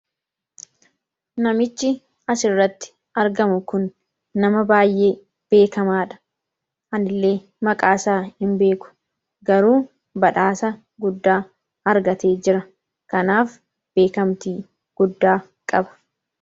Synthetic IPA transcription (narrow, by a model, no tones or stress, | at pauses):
nɐmɪt͡ʃːɪ | ɐsɪrːɐt̪ːɪ̥ | ɐɾɡɐmʊkʊnː | ɐmɐbaːjʔe̞ː | b̥e̞ːkɐmaːᶑɐ̥ | ʔɐnɪlːe̞ː | mɐkʼaːsaːhɪmbe̞ːkʊ̥ | ɡɐɾuː | bɐᶑaːsɐ | ɡʊd̪ːaː | ɐɾɡɐt̪e̞ːd͡ʒɪɾɐ | kɐnaːf | b̥e̞ːkɐmt̪iː | ɡ̥ʊd̪ːaː | kʼɐbɐ̥